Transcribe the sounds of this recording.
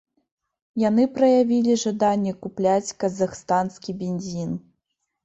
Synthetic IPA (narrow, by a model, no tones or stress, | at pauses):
janɨpɾɐjavʲilʲiʐad̪anʲːɛkuplʲat͡sʲkɐzaxst̪anskʲibʲenʲzʲin